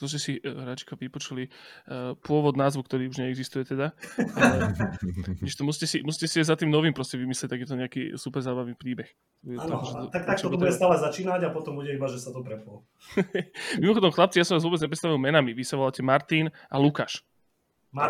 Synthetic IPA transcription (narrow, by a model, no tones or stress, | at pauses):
t̪ɔs̬cɛsiɾat͡ʃi̥kɔʋipɔt͡ʃuli | pʊɔʋɔd̪naːzʋukt̪ɔɾiːuʒɲɛɛɡzist̪ujɛt̪ɛd̪a | ɛʃt̪ɔmuscɛsimusicɛsiaɪzat̪iːmnɔʋiːmpɾɔscɛʋimislɛc̚t̪aɡjɛt̪̬ɔɲɛakḭːsupɛɾzaːbaʋniːpɾiːbɛx | t̪ɔbuɟɛt̪aɔɛt̪akt̪ak̚t͡ʃ̪ɔtb̪ɔbuɟɛst̪aːlɛzat͡ʃiːnaɟapɔt̪ɔmbuɟɛibaʒɛsat̪ɔpɾɛpɔl | ɛmimɔxɔd̪ɔmxlap̚t͡sijasɔmʋazʋʊɔːbɛd͡zɲɛpɾɛtst̪aʋilˠmɛnamiʋisaʋɔlacɛmaɾt̪iːn | ʔalukaːʃ